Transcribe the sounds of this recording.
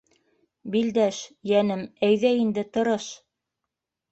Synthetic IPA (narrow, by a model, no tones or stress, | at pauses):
bild̪æʃjænɘmæjðæind̪ɘt̪ɤ̆ɾɤʃ